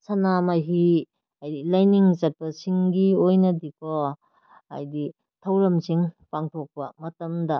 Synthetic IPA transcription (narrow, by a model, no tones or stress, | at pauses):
sanamajɦi | ajdilajniŋsɐt̚pɐsiŋɡiojnɐdikʰɔ | a̰jdi | tʰɐwɾɐmsiŋpaŋtʰok̚pɐ̰mɐtɐmdɐ